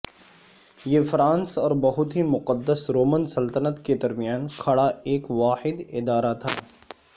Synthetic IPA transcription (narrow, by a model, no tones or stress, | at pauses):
jeːfɾãːnsɔːɾbɐɦʊt̪ɦimʊqəd̪ːəsɾoːmənsɐlt̪ənət̪ked̪ɐɾmɪjaːnkʰɐɽaeːkʋaːħɪd̪ɪd̪aːɾat̪ʰa̰ː